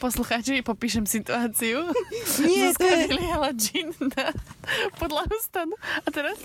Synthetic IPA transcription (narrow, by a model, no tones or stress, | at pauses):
poslˠuxat͡ʃiipopiːʃɛmsit̪uaːt̪siju | nɛskanilialad͡ʒinːapod̪lˠaust̪anuat̪ɛɾas